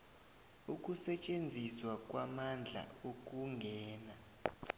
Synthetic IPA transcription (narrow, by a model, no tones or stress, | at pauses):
uk̬ʼusɛt͡ʃʼend͡zʱiswak̬ʼwamand͡ɮʱa̰ok̬ʼuŋɡʱɛːna